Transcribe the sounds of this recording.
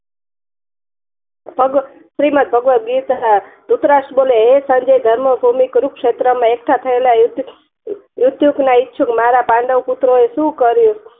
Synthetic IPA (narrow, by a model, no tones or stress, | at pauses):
bʱʌɡ | sɾimʌt̪̚bʱʌɡwʌɡit̪d̪̥ut̪ɾasʈboleɦesʌnd͡zʌjd̪ʱʌɾmʌbʱumikɾuksʰet̪ɾʌmaekʈʰat̪ʰʌelajut̪ | jut̪juknaitːt͡ʃʰukmaɾapaɳɖʌwput̪ɾoesukʌɾjo